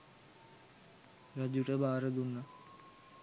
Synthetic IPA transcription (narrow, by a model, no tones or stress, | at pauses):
rad͡ʒuʈəbaːɾəd̪unːa